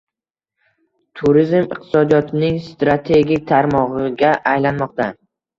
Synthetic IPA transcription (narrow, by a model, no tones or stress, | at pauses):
t̪ʰuɾɪzmɪqt̪ʰɪ̥sɒd̪ijɒt̪ʰɪnɪŋst̪ɾat̪ʰe̞ɡʲɪk̚ʲt̪ʰaɾmɒʁɨɡʲaʔajlanmɒq̚t̪a